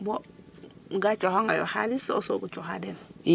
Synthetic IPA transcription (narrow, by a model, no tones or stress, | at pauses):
bɔ | ɡat͡ʃɔhoŋajo̰ha̰lisosoɡut͡ʃɔɦa̰dɛn